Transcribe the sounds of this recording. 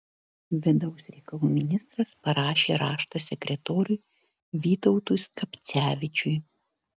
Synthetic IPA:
ʋʲɪd̪ɐʊsʲɾʲɛɪkɐlˠuːmʲɪnʲɪst̪ɾɐspɐɾɑːʃʲeːɾɑːʃt̪osʲɛkʲɾʲɛt̪oːɾʲʊj | ʋʲiːt̪ɔʊt̪ʊskɐpʲt̪sʲæːʋʲɪt͡ʃʲʊj

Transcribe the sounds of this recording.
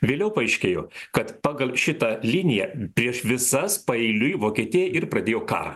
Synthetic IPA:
ʋʲeːlʲɛʊpɐɛɪʃʲkʲeːjoːkɐt̪pɑːɡɐlˠʃʲɪt̪ɐlʲɪnʲɪjɛpʲɾʲiɛʃʋʲɪsɐspɐɛɪlʲʊjʋoːkʲiɛt̪ʲijɛʔɪɾpɾɐd̪ʲeːjoːkɑ̰ːɾɐ

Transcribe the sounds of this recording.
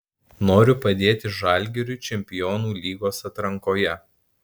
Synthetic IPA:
noːɾʲʊpɐd̪ʲeːt̪ʲɪʒɑˑlʲɡʲɛɾʲʊt͡ʃʲɛmʲpʲɪjɔːnuːlʲiːɡoːsɐt̪ɾɐŋkoːjɛ

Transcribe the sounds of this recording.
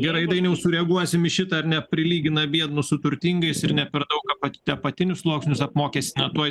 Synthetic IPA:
ɡʲɛɾɐɪd̪ɐɪnʲɛʊsʊɾʲɛɐɡuɔsʲɪmɪʃʲɪt̪ɐɐɾnʲɛpʲɾʲɪlʲiːɡʲɪnɐbʲiɛd̪nʊsʊt̪ʊɾʲt̪ʲiːŋɡɐɪsɪɾnʲɛpʲɛɾd̪ɐʊkɐpɐtʲɐpɐt̪ʲɪnʲʊslˠoːksʲnʲʊsɐpmoːkʲeːsʲɪnɐt̪uɔj

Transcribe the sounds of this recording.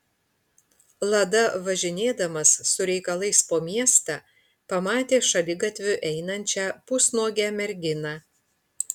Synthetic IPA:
lˠɐd̪ɐʋɐʒʲɪnʲeːd̪ɐmɐsːʊɾʲɛɪkɐlˠɐɪspoːmʲiɛst̪ɑː | pɐmɑːt̪ʲeːʃɐlʲɪɡɐt̪ʲʋʲʊʔɛɪnɐnʲt͡ʃʲæːpʊsnoːɡʲæːmʲɛɾʲɡʲɪnɑː

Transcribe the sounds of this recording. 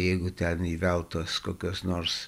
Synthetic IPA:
jɛɪɡʊt̪ʲɛniːʋʲɛlˠt̪oːskoːkʲoːsnoːrs

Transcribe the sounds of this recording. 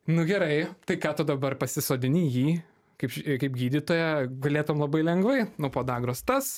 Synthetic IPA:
nʊɡʲɛɾɐɪt̪ɐɪkɑːt̪ʊd̪ɐbɐrpɐsʲɪsoːd̪ʲɪnʲiːjiː | kɐɪpʃkɐɪpɡʲiːd̪ʲɪt̪oːjɛɡɐlʲeːt̪ʊoːmlˠɐbɐɪlʲɛŋɡʋɐɪnʊpoːd̪ɑːɡɾoːst̪ɐs

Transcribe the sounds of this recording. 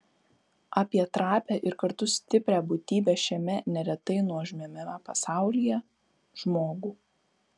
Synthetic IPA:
ʔɑːpʲiɛt̪ɾɑːpʲæːʔɪɾkɐɾt̪ʊsʲt̪ʲɪpʲɾʲæːbʊt̪ʲiːbʲɛːʃʲɛmʲɛnʲɛɾʲɛt̪ɐɪnuɔʒʲmʲɛmʲɛmɑpɐsɑˑʊlʲijɛ | ʒ̥moːɡuː

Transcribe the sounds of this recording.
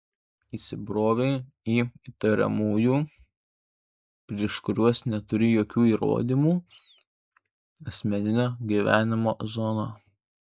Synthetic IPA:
iːsʲɪbɾoːʋʲɛɪ | iːit̪ɐɾʲɛ̰muːjuː | pʲɾʲiɛʃkʊɾʲuɔsnʲɛt̪ʊɾʲɪjoːkʲuːiːɾo̰ːd̪ʲiːmuː | ɐsʲmʲɛnʲɪnʲoːɡʲiːʋʲæːnʲɪmoːzɔnoː

